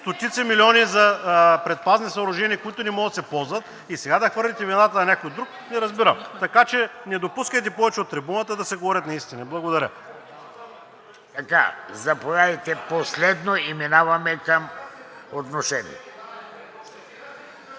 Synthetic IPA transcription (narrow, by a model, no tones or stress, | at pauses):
st̪ot̪it̪sɛmilʲiɔnizɐpɾɛt̪̚paznisɐʊɾʊʒɛniəkʊit̪ʊnɛmɔɡət̪sɛpɔlˠzvət̪ | isɛɡad̪ɐxvɤɾlʲit̪ɛvinat̪ənɐnʲakojod̪ɾuk | nɛɾɐzbiɾəmt̪ɐkat͡ʃɛnɛd̪opuskəjt̪ɛpɔvɛt͡ʃɛot̪ːɾibunət̪əd̪ɐsɛɡovɔɾʲət̪nɐist̪inɐblˠɐɡod̪ɐɾʲə | t̪ɐka̰zɐpolʲad̪ɐjt̪ɛposlɛd̪noiminavɐmɛkɐmot̪noʃɛnḭɛ